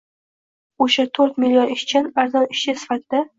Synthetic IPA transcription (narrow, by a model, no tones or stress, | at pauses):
oʃat̪ʰoɾt̪mɪlʲːjonɪʃt͡ʃʰanaɾzɒnɪʃt͡ʃasɪ̥fat̪ʰɪd̪a